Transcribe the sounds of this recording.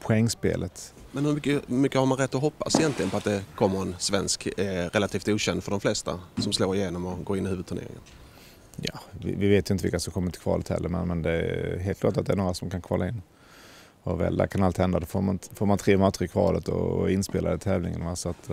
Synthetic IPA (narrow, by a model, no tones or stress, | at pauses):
pʰʊɛŋːspḛːlʔət̪mɛnhɵmʏkːəmʏkːəhaɾmanɾɛt̪ːɔɦɔpːa̰sɪjɛnt̪lɪɡənpʰɔat̪̚d̪ɛkʰɔmːəɾɛnsvɛnskɾɛlat̪ʰiːft̪uːɕɛnd̪fœɖɔmflɛst̪a̰sɔmsloːɾɪjeːnɔmɔɡoːɪnːɪhʉ̟ːvɵd̪t̪ʰɵɳḛːɾɪ̰ŋə̰n | jɑːvɪ̰vɪveːt̪jʏɪnt̪əɪ̰lkasɔmkʰɔmːət̪ʰɪ̥kʰvɑ̰ːlət̪hɛ̰lːəɾmɛnmɛnd̪ɛæɦeːlt̪k̪ʰɑːʈat̪̚d̪ɛæɳnoːɾasɔmkʰankʰɑ̰ːlʔaɪnː | ɔvɛ̰ld̪æ̰ɾkʰanalt̪hɛnd̪ad̪ɔfoːmanfoːɾmant̪ʰɾeːmɑt̪ːɪkʰvɑ̰ːlət̪ɔ̰ɪnspeːlad̪ət̪ʰɛːvlɪŋə̰nvasɔat̪